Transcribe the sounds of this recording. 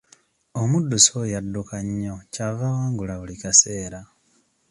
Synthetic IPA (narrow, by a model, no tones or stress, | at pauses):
omudːusojadːukaɲːocavawaːŋɡulaβulikase̞ːɾa